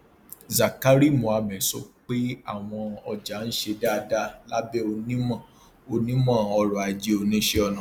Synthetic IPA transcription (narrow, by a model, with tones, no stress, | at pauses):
za˨ka˦ɾi˦˨mõ˨a˧mɛ˨sɔ˦k͡pe˦a̰˦˨w̃ɔ̃˧ɔ˧d͡ʒa˨˦n̩˦ʃe˧da˦˧da˦la˦bɛ˦o˧nĩ˦mã˦˨ | o˧nĩ˦mã˦˨ɔ˧ɾɔ˨a˨d͡ʒe˨˧o˧nĩ˦ʃe˦ɔ˧nã˨